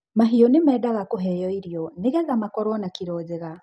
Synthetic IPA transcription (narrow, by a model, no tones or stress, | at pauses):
maɦiɔnemɛːdaɣakoɦɛjɔiɾjɔneɣɛɣamakɔɾɔnakiɾɔːzɛɣa